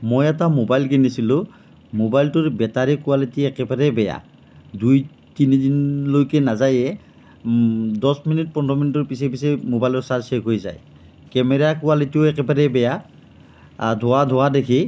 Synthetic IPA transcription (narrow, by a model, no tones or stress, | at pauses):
mojɛtamobajlkinisilʊ̃ | mobajltʊɹbɛtaɹɛkʊwalitiɛkɛbaɾɛbɛja̰ | duj | tinidinlojkɛnazajɛ | dɔsminit̚pɔndɔminitɔɹpisɛpisɛmobajlɔɹsaɹsɛkɦojza̰j | kɛmɛɹakʊalitioɛkɛbaɾɛbɛja | dʱʊwadʱʊwadekʰi